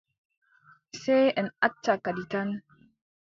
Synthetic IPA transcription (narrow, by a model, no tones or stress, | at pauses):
seənat͡ʃːakaditan